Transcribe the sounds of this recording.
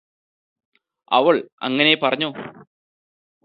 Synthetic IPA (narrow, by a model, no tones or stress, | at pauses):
ɐʋɐɭɐ̰ŋːɐnejepɐrɐɲːoː